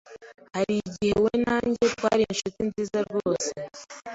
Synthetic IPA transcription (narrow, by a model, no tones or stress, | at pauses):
haɾiɟihe̞we̞naːɲɟetwaːɾiinʃutinziːzaɾɡoːse